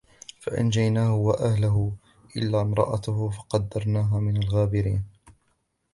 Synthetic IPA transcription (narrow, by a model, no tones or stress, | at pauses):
fa̰ʔa̰nd͡ʒajnaːhʊwaʔahlaɦʊ | ʔɪ̰lːaːmɾˤɑ̰ʔat̪hʊfɑqɑd̪ːɑɾˤnaːɦaːmɪnalɣaːbɪɾḭːn